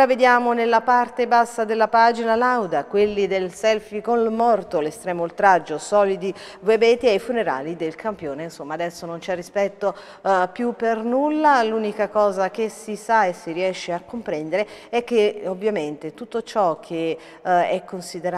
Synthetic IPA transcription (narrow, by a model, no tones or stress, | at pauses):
aved̪jaːmonelːapart̪ebasːad̪elːapaːd͡ʒinalawd̪akwelːid̪elsɛlfikonmɔrt̪olest̪ɾɛːmoult̪ɾad͡ʒːosɔːlid̪i | vebɛːt̪iajfuneɾa̰ːlid̪elkʰampjoːneinsomːaːd̪ɛsːonont͡ʃɛrːispɛt̪ːo | pjupːernulːaluːnikakɔːzak̟esisaesiɾiɛʃːeakːompɾɛnd̪eɾeɛk̟ːeovːjament̪et̪ut̪ːot͡ʃɔkʰe | ɛkːonsid̪eɾa